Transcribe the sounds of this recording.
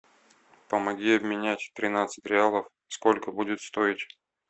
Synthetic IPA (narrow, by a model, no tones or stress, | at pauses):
pəmɐɡʲiɐbmʲɪnʲætʲt̪ɾʲɪnat̪sɨ̥tʲɾʲɪalˠəf | sko̞lʲkəbudʲɪt̪st̪o̞ɪtʲ